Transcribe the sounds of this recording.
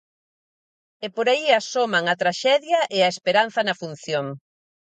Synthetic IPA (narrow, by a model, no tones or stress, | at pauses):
epoɾaiasomaŋɐt̪ɾaʃɛðjɐʔeɐespeɾan̟θɐnɐfun̟θjoŋ